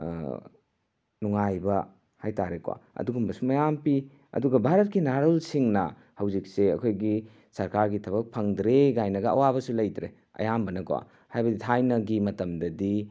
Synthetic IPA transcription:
nuŋajbɐ | hajtaɾekwa̰ɐ̰duɡumbɐsumɐjampi | ɐ̰duɡɐbʱaɾɐt̚kinaɾolsiŋnɐ | hɐwzik̚seɐkʰojɡi | sɐɾkaɾɡitʰɐbɐk̚pʰɐŋdɾeɡajnɐɡɐɐ̰wabɐsulɐjdɾe | ɐ̰jambɐnɐkwa̰ | hajbɐditʰajnɐɡimɐtɐmdɐdi

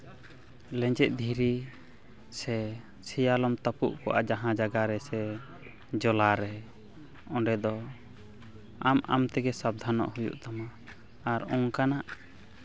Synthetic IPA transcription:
lɛ̃ɲd͡ʒɛt̪̚ˀd̪ʱiɾi | sɛ | sɛjalɔmt̪apṵʔkɔʔa̰d͡ʒaɦãd͡ʒaɡaɾɛsɛ | d͡ʒɔlaɾɛ | ɔɳɖɛd̪ɔ | ama̰mt̪ɛɡɛsab̚d̪ʱanɔ̰ʔhujṵʔt̪amaː | ɾɔŋkanaʔ

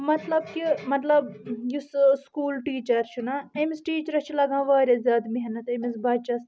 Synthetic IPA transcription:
mɐt̪lɐbkimɐt̪lɐbjusskuːlʈiːt͡ʃɐɾt͡ʃʰunɐemisʈiːt͡ʃɾɐst͡ʃʰilɐɡʱãːʋɐːɾʲezjaːd̪miɦɐnɐt̪emisbaːd̪t͡ʃɐs

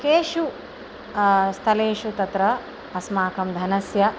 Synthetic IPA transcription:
keːʃu | st̪ʰɐleːʃut̪ɐt̪ɾɐ | ɐsmaːkɐmd̪ʱɐnɐsjɐ

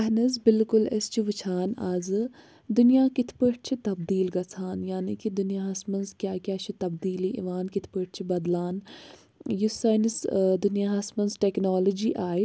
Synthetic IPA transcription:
ɐɦnɐzbɪlkʊlɐst͡ʃʰiʋit͡ʃʰaːnaːzɨ | d̪ʊnijaːkit̪ʰpəʈ̚ʰt͡ʃʰit̪ɐb̚d̪iːlɡɐt͡sʰaːnjaːniːkid̪ʊnijaːɦɐsmɐnzkjaːkjaːt͡ʃʰit̪ɐbd̪iːliːʔḭʋaːnkit̪ʰpəʈ̚ʰt͡ʃʰibɐd̪laːn | jusɐnisd̪ʊnijaːɦɐsmɐnzʈeːknaːlod͡ʒiːʔaːj

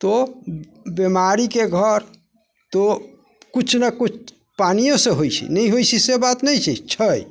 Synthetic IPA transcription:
t̪o | bemaɾikeɡʱəɾ | t̪o | kut͡ʃʰnakut͡ʃʰ | panijosẽɦojt͡ʃʰḭnɛjɦojt͡ʃʰisebat̪nɛjt͡ʃʰɛt͡ʃʰəj

